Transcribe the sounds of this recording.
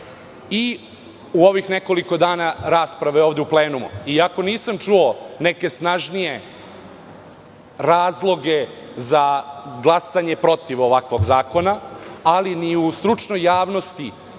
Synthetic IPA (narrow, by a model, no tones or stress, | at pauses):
i | uo̞ʋixneko̞liko̞d̪aːnaɾaːspɾaʋeo̞ːʋd̪eupleːnumṵiako̞niːsamt͡ʂuoneke̞snaʒnije̞ | ɾaːzlˠo̞ɡe̞zaɡlˠasaɲe̞pɾo̞t̪iʋoʋakʋo̞ɡzaːko̞naːliniust̪ɾut͡ʂnojːaːʋno̞st̪i